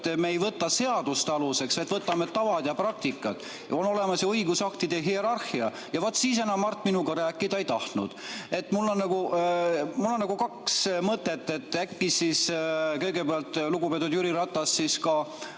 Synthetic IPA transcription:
t̪ːmeejvɤt̪ːɑse̞ɑd̪̥ust̪eɑluse̞kset̪ːvɤt̪ːɑmet̪ːɑvɑd̪jɑprɑk̚t̪ikːˑɑt̪ˑ | o̞no̞le̞mɑsjɑɤjɡusɑkt̪id̪e̞ɦie̞ɾɑrhiɑ | jɑvot̪ːsiːs̬enɑmːɑrt̪ːˑminuɡɑɾæːkːid̪ɑe̞jt̪ɑht̪nṵd̪̥e̞t̪ːmulːo̞nːɑɡu | mulːo̞nnɑɡukɑksmɤt̪ːˑe̞t̪ːe̞t̪ːˑækːisiskɤ̞jɡe̞peɑlt̪luɡ̥upet̪ːˑud̪juɾiɾɑt̪ːˑɑsːiskɑ

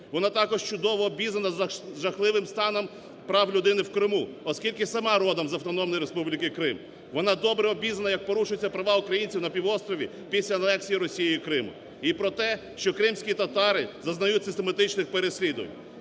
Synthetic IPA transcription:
ʋɔnɑt̪ɑkɔʒt͡ʃʊd̪ɔʋɔːbʲizɐnɐʒɐxlˠɪʋɪmst̪ɑnɔm | pɾɑwlʲʊd̪ɪnɪwkɾɪmuɔskʲilʲkɪsɐmɑɾɔd̪ɐmzɐwt̪ɔnɔmnɔjiɾespublʲikɪkɾɪm | ʋɔn̪ɑd̪ɔbɾɛɔbʲizɐnɐjɐk̚pɔɾuʃʊjet͡sʲːɐpɾɐʋɑukɾɐjinʲt͡sʲiwnɐpʲiʋɔst̪ɾɔʋʲi | pʲisʲlʲɐɐnɛksʲijiɾɔsʲijijikɾɪmʊ̰ | ipɾɔt̪ɛ | ʃt͡ʃɔkɾɪmsʲkʲit̪ɐt̪ɑɾɪzɐznɐjutʲsɪst̪emɐt̪ɪt͡ʃnɪxpeɾesʲlʲid̪ʊʋɐ̰nʲ

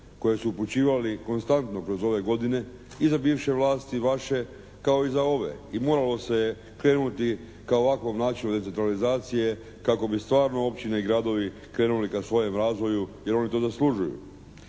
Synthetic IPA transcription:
ko̞je̞suːput͡ɕiːʋaliko̞nst̪ant̪no̞kɾo̞zo̞ʋe̞ɡo̞d̪ine̞ | izabiːʋʃe̞ʋlˠaːst̪iʋaʃe̞ | kao̞izao̞ʋe̞̰imo̞ːɾalo̞se̞je | kɾe̞ːnut̪i | kao̞ʋakʋo̞mnaːt͡ʃinud̪esent̪ɾalizaːt̪sije̞ | kako̞bist̪ʋaːɾnoo̞pt͡ɕineiɡɾad̪o̞ʋi | kɾe̞ːnulikasʋo̞je̞mɾaːzʋo̞juje̞ɾo̞nit̪o̞zaslˠuʒujṵ

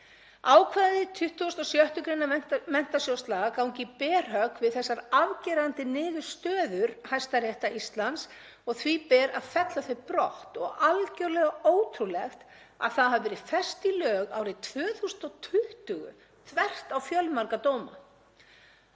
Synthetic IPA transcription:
aːwkʰvaːðɪt̪ʰʏht̪usnɔsjœht̪ʏkɾejnamɛn̥t̪asjowst̪laɣakawŋcɪpɛːr̥ɦœkvɪðθɛsːaɾavcɛːɾant̪ɪnɪːɣʏst̪œːðʏɾ̥hajst̪aɾjɛht̪aist̪lant̪s | ɔɣθvipɛːɾaðfɛt̪laθʏpɾɔht̪ɔɣalcœɾlɛɣaoːwt̪ʰɾulɛxt̪ | a̰ðθaðhɦavvɛːɾɪfɛrst̪ilœːɣaːwɾɪt̪ʰvœːθusʏnt̪ɔt̪ʰʏht̪ʏɣʏ̰ | θʰvɛr̥t̪awfjœlmaɾkat̪oːwma̰

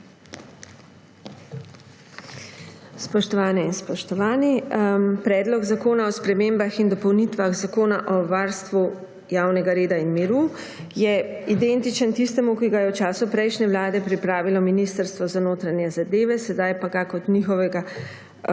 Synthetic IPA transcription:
spɔʃt̪ɔʋaːnɛinspɔʃt̪ɔʋaːnipɾɛːd̪lɔɡzakoːnaɔspɾɛmeːmbaxind̪ɔpɔwnit̪ʋaxzakoːnaʔɔʋaːɾst̪ʋu | jaːwnɛɡaɾeːd̪ainmiɾu | jɛid̪ent̪it͡ʃənt̪ist̪ɛmukiɡajɛwt͡ʃaːsupɾɛjʃnɛʋlaːd̪ɛpɾipɾaːʋilɔminist̪əɾst̪ʋɔzanoːt̪ɾanjɛzad̪eːʋɛsɛd̪ajpaɡakɔt̪nixɔʋɛɡa

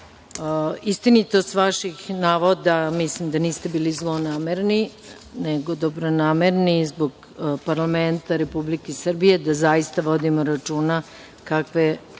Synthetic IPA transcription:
ist̪init̪osʋaʃixnaːʋod̪amislimd̪aniːst̪e̞biːlizlonaːmeɾni | neɡo̞d̪o̞bɾonaːmeɾnizboɡ | paɾlament̪aɾe̞publikesr̩bije̞d̪azajist̪aʋo̞d̪imoɾat͡ʃuːna | kakʋe

